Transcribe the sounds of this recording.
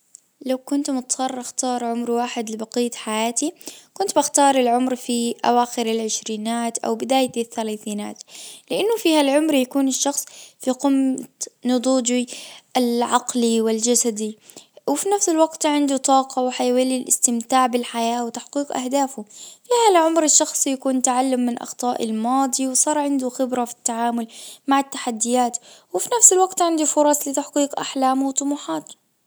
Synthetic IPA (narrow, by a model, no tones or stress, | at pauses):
lawkʊnt̪mʊt̪sˤɑrˤːʔɪxt̪ɑːɾˤʕʊmɾwaːħɪd̪lɪbɑqijːt̪ħajaːt̪ikʊnt̪baxt̪ɑːɾˤɪlʕʊmɾfiʔa̰waːxɪɾɪlʕɪʃɾiːnaːt̪ʔa̰wbɪd̪aːjɪθːalaːθiːna̰ːt̪lɪʔanːʊfiːhalʕʊmɾjakuːnɪʃːɑxsˤfiqʊmt̪nʊd̪ˤuːd͡ʒialʕɑqliwɪld͡ʒasad̪i | wɪfinafsɪlwaɡt̪ʕɪnd̪ut̪ˤɑːqɑwɪħajwalilʔɪ̰st̪ɪmt̪aːʕbɪlħajaːwɪt̪aħqiːqʔa̰hd̪aːfʊfiːhalʕʊmɾɪʃːɑxsˤijakuːnt̪aʕalːʊmːɪnʔɑ̰xt̪ˤɑːʔɪ̰lmɑːd̪ˤiwsˤɑːɾˤʕɪnd̪uxɪbɾafi̥t̪ːaʕaːmʊlmaʕat̪ːaħad̪ːɪjaːt̪wɪfinafsɪlwaɡt̪ʕɪnd̪ufʊɾˤɑsˤlɪt̪aħqiːqʔaħlaːmwt̪ˤʊmuːħɑːt̪